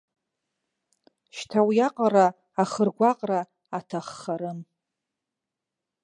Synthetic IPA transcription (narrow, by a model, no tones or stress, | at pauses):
ʃtʰawjaqʼara | aχərɡʷaqʼra | atʰaχːaɾɨn